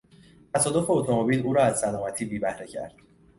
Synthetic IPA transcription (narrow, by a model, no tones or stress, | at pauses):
t̪ʰæsɒːd̪o̞fe̞ot̪ʰo̞mobiːluːɾɒːæzsælɒːmæt̪ʰiːbiːbæhɾecʰæ̰ɾd̪̥̚